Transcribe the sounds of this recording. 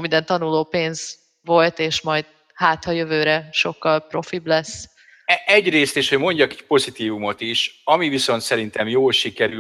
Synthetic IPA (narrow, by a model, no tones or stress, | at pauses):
mind̪ɛnt̪ɒnuloːpeːnz | ʋo̞lt̪eːʃmɒjd̪̥ | haːt̪hɒjø̞vøːɾɛʃo̞kːɒlpro̞fiblɛsː | ɛʔɛɟreːst̪eːʃho̞ɟmo̞ɲɟɒkɛc̚po̞zit̪iːvumo̞t̪iʃɒmiviso̞nt̪sɛɾint̪ɛmjoːlʃikɛɾy